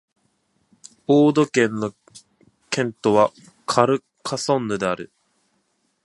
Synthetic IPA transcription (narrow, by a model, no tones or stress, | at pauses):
oːd̪o̞kẽ̞nːo̞ | kʲẽ̞nt̪o̞βa | kʰaɾɯ̟ | kʰasõ̞nd̪ɯd̪e̞aɾɯ̟